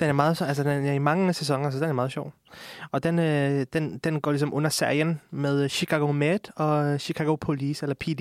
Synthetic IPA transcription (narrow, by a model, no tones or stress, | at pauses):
d̥enæɐmɑ̈ːð̩ˠɕæls̬əd̥enæɐimɑ̈ŋəsesɒ̽ŋɐs̬əd̥enæmɑ̈ːð̞̩ˠɕɒʊ̰ɒ̽d̥enød̥end̥enɡ̥ɒ̰ːlis̬ɒ̽mʔɔ̽nɐseɐjənmeðˠɕikʰɑɡ̥o̝med̥ɒ̽ɕikʰæɡ̥o̝pʰoliːselɐpʰid̥i